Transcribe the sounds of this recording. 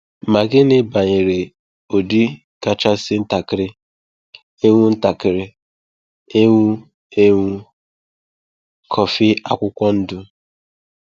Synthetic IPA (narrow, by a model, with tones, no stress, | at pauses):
ma˨ɡɪ˦nɪ˦ba˨ɲɪ˨ɾe˨ | o˨di˦ | ka˦t͡ʃa˦sɪ˦n̩˦ta˨kɪ˨ɾɪ˦ | e˦ŋʷu˦n̩˦ta˨kɪ˨ɾɪ˦ | e˦ŋʷu˦ | e˦ŋʷu˦ | kʰɔ˨fɪ˦a̰˨kʷʊ˦kʷɔ˦n̩˦dʊ˦